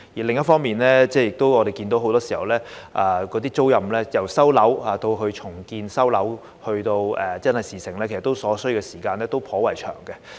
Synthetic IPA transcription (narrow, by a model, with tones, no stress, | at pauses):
jiː˨˩lɪ˨ŋjɐ˥tfɔː˥ŋmiː˨nlɛː˥t͡sɛː˥˩jɪ˨k̚t̪o˥wɔ˨˧e˨jkiː˧nt̪o˨˧wɦwt̪ɔː˥siː˨hɐ˨˩wlɛː˥ʔaː˧kɔː˨˥t̪̬iː˥t͡so˥wjɐ˨mlɛː˥jɐ˨˩wsɐ˥wlɐ˨˥whaː˨˧t̪o˧wkʰɵ˧ɥt͡ʃʰʊ˨˩ŋkiː˧nsɐ˥wlɐ˨˥w | hɵ˧ɥt̪o˧wɛː˨˩t͡sɐ˥nhɐ˨˩jsiː˨˩sɪ˨˩ŋlɛː˥ke˨˩st̪ːo˥wsɔː˨˥sɵ˥ɥkɛ˧siː˨˩kaː˧nlɛː˥t̪o˥wpʰɔː˨˥wɐ˨˩jt͡ʃʰœ̰ː˨˩ŋkɛ˧